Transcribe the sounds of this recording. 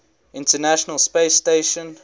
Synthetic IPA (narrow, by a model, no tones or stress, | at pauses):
ɪ̃ntənaʃənəlˠspeɪsteɪʃə̃n